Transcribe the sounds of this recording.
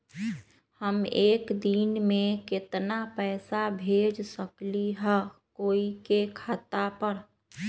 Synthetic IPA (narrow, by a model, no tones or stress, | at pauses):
həmeːkd̪inmẽkɪt̪napɛːsabʱeːd͡ʒsəkliɦɛkoːikekʰat̪apəɾ